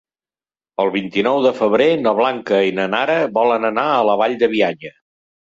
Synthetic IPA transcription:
əlˠβint̪inɔwðəfəβɾenəβ̞laŋkəinənaɾəβɔlənənaələβaʎd̪əβiaɲə

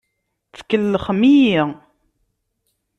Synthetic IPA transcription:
θkːəlːəχmiji

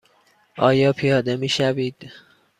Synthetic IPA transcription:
ʔɒːjɒːpʰijɒːd̪e̞miːʃæviːd̪̥

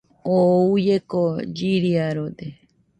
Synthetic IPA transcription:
oujekod͡ʒiɾiaɾod̪e

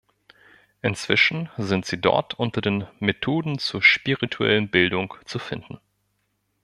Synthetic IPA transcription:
ʔɪnt͡sv̥ɪʃn̩zɪntz̥iːdɔ̰ɐtʰʔʊntɐdeːnmetʰoːdn̩t͡suːɐʃpiʁitʰuɛ̰lənbɪldʊŋt͡sufɪndn̩

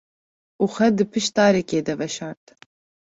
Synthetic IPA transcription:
uːxʷɛd̪ɨpʰɨʃt̪ɑːɾɛkeːd̪ɛvɛʃɑːɾt̪

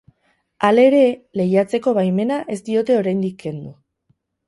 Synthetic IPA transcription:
ale̞ɾe̞le̞jat͡se̞ko̞βajme̞naʔe̞st̪io̞t̪e̞o̞ɾajnd̪ikːe̞nd̪u

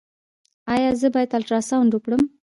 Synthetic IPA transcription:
ɑjɑzəbɑjat̪alʈɾɑsauɳɖukɽəm

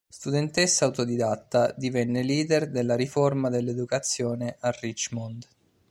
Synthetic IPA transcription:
st̪ud̪ent̪esːaːwt̪od̪id̪at̪ːad̪ivɛnːeliːd̪erd̪elːaɾiformad̪elːed̪ukat̪sːjoːneʔarːit͡ʃmɔnd̪

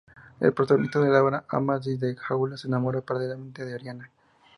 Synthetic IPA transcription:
elpɾot̪aɣonist̪aðelaβaɾaʔa̰maziðexawlasenamoɾapaɾalelament̪eðeaɾjana

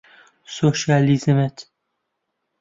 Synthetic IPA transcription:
soʃɑlizmet̪

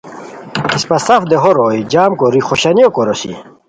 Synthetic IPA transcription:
ispɐsɐfd̪eɦoɾoːjd͡ʑaːmkoɾiχoɕaniokoɾosḭ

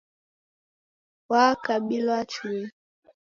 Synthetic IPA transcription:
wakaɓilat͡ʃuɛ

